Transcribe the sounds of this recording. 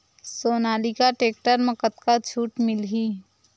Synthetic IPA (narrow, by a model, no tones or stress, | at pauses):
soːnaːlikaʈeːk̚ʈəɾmɐkət̪kat͡ʃʰuːʈmɪlɦiː